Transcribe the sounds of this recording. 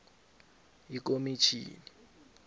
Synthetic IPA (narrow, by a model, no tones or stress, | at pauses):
jik̬omit͡ʃʰḭːni